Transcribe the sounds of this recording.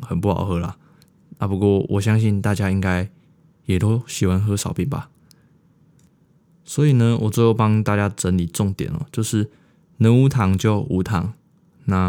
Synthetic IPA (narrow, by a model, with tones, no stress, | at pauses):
xə˨npu˥˩hɑ̰˨˩ʊxɤ˧˦la̰˨ | na˥˩pu˧˥kwɔ˥˧wʔɔ̰˨˩ɕjɑ˥ŋɕi˥˧nt̪a˥˨˩t͡ɕja˥i˦ŋka˦˥ɪ | jɛ˨˩t̪o˥˦ʊɕi˨˩wa˧˦nxɤ˦ʂɑ˨˦ʊpi˨˩nba̰˨˩ | swɔ˧˥i˨˩nə˦wɔ˨˩t͡so˥˧jo˥˩ʊpɑ˦ŋt̪a˥˨t͡ɕja˥ʈ͡ʂə˧˦nli˨˩ʈ͡ʂɔ˥˨ŋt̪jɛ̰˨˩˦nə̰˨˩t͡ɕjo˥˧ʊʂɻ̩˥˩ | nə˧˦nu˧˥t̪ʰɑ˨˦ŋt͡ɕjo˥˩˨ʊʔu˧˥t̪ʰɑ˨˥ŋ | na˥˧